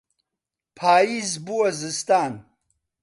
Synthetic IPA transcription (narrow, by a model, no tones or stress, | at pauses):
pʰaːizbuwɐzist̪aːn